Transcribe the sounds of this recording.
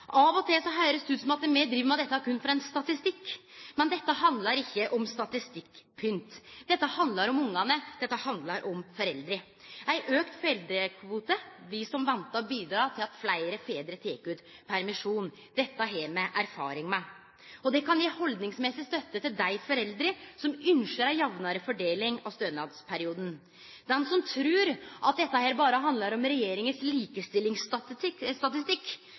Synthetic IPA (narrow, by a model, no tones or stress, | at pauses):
ʔɑʋɔt̪ʰɪsɔɦœʏɾəsd̪ʉːt̪sɔmɑt̪ːəmɛd̪ɾiːʋəmæɪd̪ɛt̪ːæɾkʰʉnːfɔɾɑɛnst̪ɑt̪ɪst̪ɪkːmɛnd̪ɛt̪ːəhɑnd̪lɑɾɪçːəʔɔmst̪ɑt̪ɪst̪ɪkːpʰʏnt̪d̪̥ɛt̪ːəhɑnd̪lɑɾɔmʊŋːɑnəd̪ɛt̪ːəhɑnd̪lɑɾʔɔmfɔɾɛld̪ɾɪ | æɪʔøːkt̪fɔɾɛld̪ɾəkʰʋuːt̪əʋɪsɔmʋɑnt̪ɑbiːd̪ɾɑːt̪ʰɪlɑt̪flæɪɾəfeːd̪ɾət̪ʰeːkʉːt̪pʰæɾmɪʂuːn | d̪ɛt̪ːəɑɦeːɾmɛʔæɾfɑ̰ːɾɪŋmæ | ɔd̪ɛkɑnjeːhɔld̪nɪŋsmɛsɪst̪œt̪ːət̪ɪld̪æɪfɔɾɛld̪ɾəsɔmʏnʃəɾæjɑʋnəɾəfɔɖeːlɪŋɑst̪øːnɑːd̪spʰæɾɪuːd̪ən̩ | d̪ɛnsɔmt̪ʰɾʉːɾʔɑt̪̚d̪ɛt̪ːəhæːɾbɑːɾəɦɑnd̪ləɾɔmɾɛjeːɾɪŋənsliːkəst̪ɪlːɪŋsɪst̪ɑt̪ɪst̪ɪkː